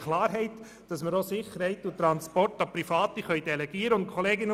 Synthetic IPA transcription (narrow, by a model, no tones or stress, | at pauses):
kʰlaːɾɦɛɪt | d̥ɑsməɾosɪχəɾhɛɪtʊt̪ɾɑnspɔrtɑpɾifɑːtiχœʏd̥ɛlɛɡ̥iːəɾəʊnt̚kʰχoleːɡɪnə